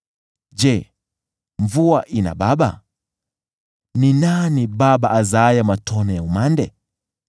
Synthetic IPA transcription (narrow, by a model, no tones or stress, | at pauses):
d͡ʒɛ | ɱvuaʔina̰ɓaɓa̰ | ninaniɓaɓaʔazajamatʰɔnɔjaumandɛ